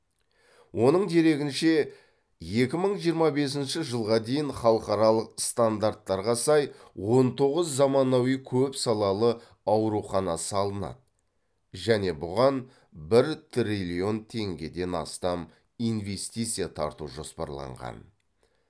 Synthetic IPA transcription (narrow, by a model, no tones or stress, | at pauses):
wʔo̞nəɴd̪e̞ɾe̞ɡʲɪnʃe̞ | je̞kʲɪməɴʒijəɾmɑbe̞s̬ɪnʃɪʒəlˠʁɑd̪e̞jɪnχɑlˠəqɑɾɑlˠəqst̪and̪aɾt̪ːɑɾʁɑsɑjwo̞nt̪ʰo̞ʁəzːɑmɑnɑwijkʲʰɵpsɑlˠɑlˠə | ɑwɾuχɑnɑsəɑlˠənɑ̰d̪ə | ʒæne̞bʊʁɑn | bɪɾt̪ʰrʲilʲio̞nt̪ʰe̞ŋɡʲe̞d̪e̞nɑ̰st̪ɑm | ijnve̞st̪ijt̪sɨjat̪ʰɑ̰ɾt̪uʒo̞spɑ̰ɾlˠɑ̰ɴʁɑ̰n